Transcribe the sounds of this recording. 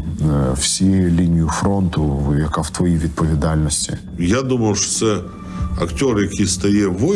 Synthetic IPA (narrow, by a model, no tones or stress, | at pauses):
wsʲijɛjɛlʲinʲijʊfɾɔnt̪ʊjɐkaw̥t̪ʋɔjiʋʲid̪̚pɔʋʲid̪alʲnɔsʲtʲi | jad̪uməjʊʂt̪sɛ | ɐktʲorjɐkʲist̪ɐjɛʋʊ